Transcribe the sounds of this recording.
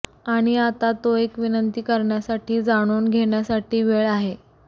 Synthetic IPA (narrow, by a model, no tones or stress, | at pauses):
aɽ̃iat̪at̪oekʋinənt̪iːkəɾɳjasaʈʰiːd͡zaɽ̃uːnɡʱeɳjasaʈiːʋeɭaɦe